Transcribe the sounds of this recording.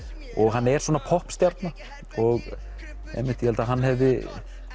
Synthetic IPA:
ɔɣɦanːɛɾswɔːnapʰɔhpst̪jaɾt̪na | ɔɣ | ɛ̰mːɪht̪jɛhɛlt̪aɦanːɦɛvðɪ

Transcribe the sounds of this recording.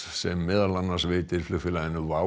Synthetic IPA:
sɛmːɪðalːanːḁsvɪːt̪ɪɾ̥flʏxfɪlaðɪnːʏva

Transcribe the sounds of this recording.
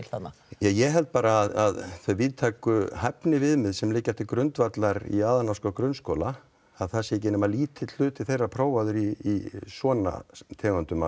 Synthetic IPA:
lθat̪na | jajɛɦɛlt̪̚paːɾaːðaðθœɥviðt̪ʰaːkʏhɛpnɪvɪðmɪðsɛmlɪːcːaft̪ɪkɾœnt̪vat̪laɾḭaːðanawskakɾœnskoːla | aðθɛsɪcɛːnʏmaliːt̪ʰɪt̪l̥ʏːt̪ɪθejrːapʰɾoːwvaðʏɾiːsɔːna̰t̪ʰɛːɣʏnt̪ʏma

